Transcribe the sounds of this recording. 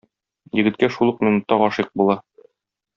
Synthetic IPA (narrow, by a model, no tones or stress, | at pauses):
jɘ̆ɡɘ̆t̪̚kæʃulˠɤq̚minut̪ːɑʁɒʃiq̚bulˠɑ